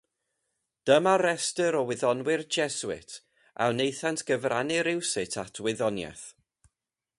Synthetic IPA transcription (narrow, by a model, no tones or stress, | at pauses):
d̥əmaɾɛstəɾɔwɪðɔnwɪrd͡ʒɛswɪ̰tʰ | ʔa̰wnejθantʰɡ̥əvranɪɾɪwsɨtʰatʰwɪðɔnjɛ̰θ